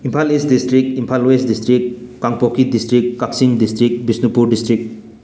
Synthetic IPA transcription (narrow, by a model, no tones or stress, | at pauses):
impʰalestdistɾik̚impʰalwesdistɾikːaŋpokʰidistɾikːaksiŋdistɾik̚bisnupuɾdistɾik̚